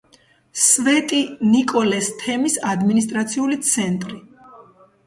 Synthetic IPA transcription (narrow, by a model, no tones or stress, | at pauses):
svɛt̪ʼinikʼɔlɛst̪ʰɛmisad̪minis̬t̪ʼɾat̪sʰiulit̪sʰɛnt̪ʼɾi